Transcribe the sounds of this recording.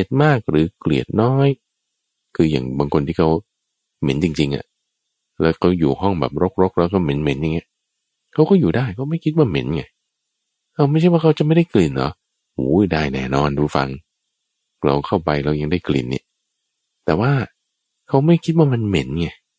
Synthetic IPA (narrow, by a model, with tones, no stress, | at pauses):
se˨˩t̪̚maː˥˩k̚ɾɯː˨˦klḭ˨˩ət̪̚nɔː˦˥j | kʰɯː˧jaː˨˩ŋbaː˧ŋkʰo˧nt̪ʰiː˥˩kʰa˦˥w | me˨˦nt͡ɕi˧ŋt͡ɕi˧ŋʔa̰˨˩ | lɛ̰ː˦˥kʰa˦˥wjuː˨˩hɔ˥˩ŋbɛ̰ː˨˩p̚ɾo˦˥k̚ɾo˦˥k̚lɛː˦˥wkʰa˥˩me˨˦nme˨˩˦nja˨ŋːi˦˥ɐ | kʰa˦˥wkɔː˥˩juː˨˩daː˥˩jkʰa˥˩ma˥˩jkʰi˦t̪̚waː˥˩me˨˦nŋa˧˩j | kʰa˧˥wma˥˩jt͡ɕʰjwaː˥˩a˦˥wt͡ɕa˨˩ma˥˩jdaː˥˩jkli˨˩nːɔ̰˨˦ | huː˨˦˨daː˧˩jnɛː˧˩nɔː˧˥nduː˨˦fa̰˧ŋ | ɾa̰˧wkʰa˥˩wpa˧jla˧˥wja˧ŋdaː˥˩jklḭ˨˩nːḭ˦˧˩ | t̪ɛː˨˩waː˥˩ | kʰa˦˥wma˥˩jkʰi˦˥waː˥˩ma˧nme˨˦nŋa˧˩